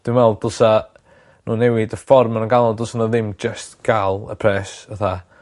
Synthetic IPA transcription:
d̥wnwɛlˠdʊlˠsa | nuːnɛwɪdəfɔrmanəŋɡalˠɔdʊsanaðɪmd͡ʒəstɡ̥alˠə̰pʰrɛːsəθa

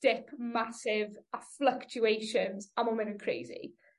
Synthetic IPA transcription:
d̥ɪkmasɪvafləkt͡ʃuejʃə̃nzəmomɛ̃ntənkʰɹ̥ḛɪzḭ

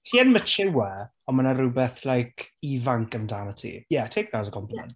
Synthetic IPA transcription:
tʰiːənmət͡ʃʰɪwɛ | ɔmanaɾʊbɛθlajkʰivaŋkəmdanətʰḭjɛtʰejk̚ðazəkʰɔmpʰla̰n

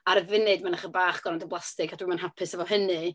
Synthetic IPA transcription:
aɾəvɪnɨdmanaχəbaːχɡ̥ɔnandəblˠastɪɡadwimanɦapʰɨsəvɔɦənɨ

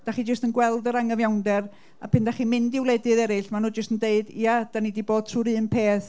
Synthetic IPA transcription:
d̥aχid͡ʒəstənɡwɛlˠdəɾaŋəvjawndɛr | a̰pʰɪndaχimɪndɪwlˠɛdɨðɛɾɨɬmanuːd͡ʒəstəndeɨdiad̥anidiboːd̥̚tʰruːɾɨːnpʰeːθ

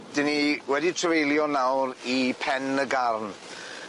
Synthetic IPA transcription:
d̥ɪniwɛditʰrəvejlˠjɔnawɾipʰɛnəɡarn

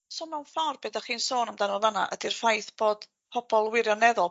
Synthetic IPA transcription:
soːmɛwnfɔrb̥eːdaχiːnsoːnamdanɔðana̰ʔə̰dir̥fajθb̥oːd̥ | pʰɔb̥ɔlˠwɪɾjɔnɛðʊlˠ

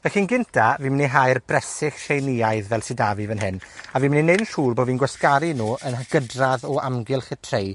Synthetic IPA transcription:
vɛxiːnɡɪntʰaviːmɪniɦajrbrɛsɪxʃejniajðvɛlˠsɪdavɨvənɦɪnaviːmɪninednɬuːrboːviːnɡwɛskaɾinuːənaɡ̥ədraðɔʔamɡɪlˠχɪtʰrej

